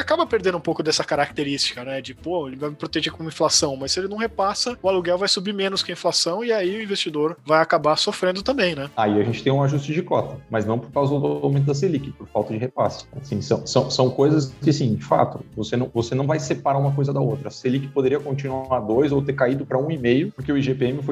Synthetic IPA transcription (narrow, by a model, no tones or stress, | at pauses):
ɪakabɐpeɾd̪ẽnd̪ʊũpowkʊd̪ɛsɐkaɾak̚t̪eɾist͡ʃi̥kɐnɛd͡ʒɪpoelɪvajmpɾot̪eʒekõĩflasɐ̃w̃mɐsːɪelɪnɐ̃w̃ɦepasɐʊaluɡɛwvajsubimẽnʊskɪɐĩflasɐ̃w̃ɪaiʊĩvest͡ʃid̪oɾvajakabasofɾẽnd̪ʊt̪ɐ̃mbẽj̃nɛaiaʒẽnt͡ʃɪ̥t̪ẽj̃ũaʒust͡ʃɪd͡ʒɪkɔt̪ɐmɐznɐ̃w̃poɾkawzɐd̪ʊdʊawmẽt̪ʊd̪ɐs̬elikɪpoɾfa̰wˠt̪ɐd͡ʒɪhepa̰sʊ̥asĩsɐ̰̃w̃sɐ̃w̃sɐ̃w̃kojzɐskɪasĩd͡ʒɪfa̰t̪ʊvosenɐ̃w̃vosenɐ̃w̃vajsepaɾaũmɐkojzɐd̪ɐowt̪ɾɐselikɪpod̪eɾiɐkõnt͡ʃinuaɾd̪ojzowt̪eɾkaid̪ʊpɾɐũimejʊpoɾkeʊiʒepeẽmɪfo